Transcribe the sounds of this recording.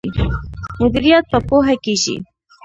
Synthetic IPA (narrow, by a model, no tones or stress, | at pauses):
imʊd̪iɾijɑt̪̚pəpoɦakiʃḭ